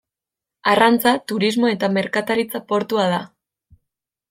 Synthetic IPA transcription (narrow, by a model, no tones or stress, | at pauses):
arant͡sat̪uɾizmo̞e̞t̪ame̞ɾkat̪aɾit͡sapo̞ɾt̪uað̞a